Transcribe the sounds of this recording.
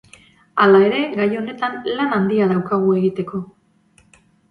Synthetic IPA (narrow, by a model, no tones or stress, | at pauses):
alae̞ɾe̞ɣajo̞ne̞t̪anlanand̪iaðawkaɣ̞ue̞ɣit̪e̞ko̞